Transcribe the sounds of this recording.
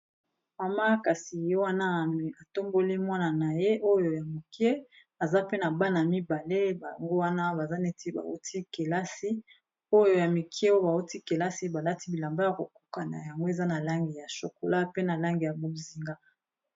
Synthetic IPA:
ma˨ma˦ka˨si˨jo˦wa˦na˦˨a˨to˦mbo˦li˦mwa˦na˨na˨je˦ʔo˦jo˨ja˨mo˨kje˦ | a˨za˦pe˦na˨ba˦na˨mi˦ba˨le˦ba˨ŋɡo˦wa˦na˦ba˨za˦nɛ˦ti˦ba̰˨o̰˦tʰi˦ke˨la˦si˦ | o˦jo˨ja˨mi˨kʰje˦o˦jo˦ba˨o˦ti˦ke˨la˦si˦ba˨la˦ti˦bi˨la˨mba˦ja˨ko˨ku̥˦ka˨na̰˨ja˨ŋɡo˦e˨za˦na˨la˦ŋɡi˨ja˨so˨ko˨la˦pe˦na˨la˦ŋɡi˨ja˨bo˨zi˨ŋɡa˦

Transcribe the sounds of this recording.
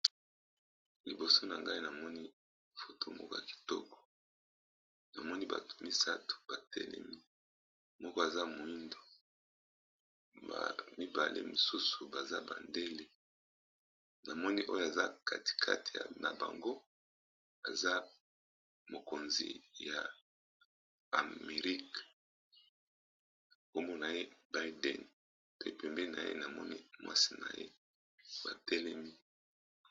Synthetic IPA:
li˨bo˨so˦na˨ŋɡa˦i˦na˨mɔ˦ni˦ | fo˨tʰo˦mɔ̰˦kɔ˦ja˨ki̥˨tɔ˦kɔ̥˨ | na˨mɔ˦ni˦ba̰˨tu̥˨mi˦sa˦tu̥˨b̥a˨tɛ̰˦lɛ̰˦mi˦ | mɔ˦kɔ˦a˨za˦mo˨i˦ndo˨ | ba̰˨mi˦ba˨lʔḛ˦mi˨su˦su˨ba˨za˦ba̰˨nde˦le˨ | na˨mɔ˦ni˦ʔo˦jo˨a˨za˦kʰa˦ti̥˨kʰa˦ti̥˨ja˨na˨ba̰˨ŋɡo˦ | a˨za˦ | mo˨ko˨nzḭ˨ja˨ | a˨me˨ʁi˦k | o˦mɔ˦na˨je˦ba˦jdɛ̰˨n | pe˦˨pɛ˨mbɛ˦˨na˨jḛ˦na˨mɔ˦nḭ˦mwa̰˦si̥˨na̰˨jḛ˦ | ba˨tʰɛ˦lɛ˦mi˦

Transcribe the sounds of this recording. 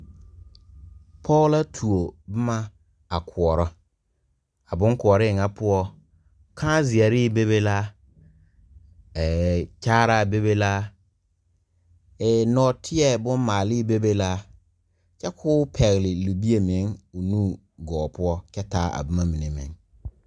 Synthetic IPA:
pʰɔ˦ɣla˦tʰu˨o˨bʊ˦ma˦ | a˨kʰʊ˨ɔ˨ɾɔ˦ | a˨bʊ˦ŋkʊ˨ɔ˨ɾɪ˦˨ŋa˦pʊ˦ɔ˦ | kʰã˦zɪ˨ɛ˨ɾɪ˦be˦be˦la˦ | ɛ˨t͡ʃaː˦ɾa˦˨be˦βe˦la˦ | ɛ˨nɔː˨˦tʰɪ˦ɛ˦bʊ˦nmaː˨lɪ˦be˦be˦la˦ | t͡ʃɛ˦kʰʊː˦pʰɛ˨ɣlɪ˨lu˨bi˦e˨me˨˦ŋʊ˨nuː˦˨ | ɡɔː˨pʊ˦ɔ˦t͡ʃɛ˦taː˦a̰˨bɪ˦ma˦mi˨ne˨mḛ˨˦ŋ

